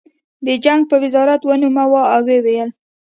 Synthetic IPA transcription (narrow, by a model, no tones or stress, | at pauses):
d̪əd͡ʒaŋɡ̚pəwɪzɑɾat̪wənumawaawewejəl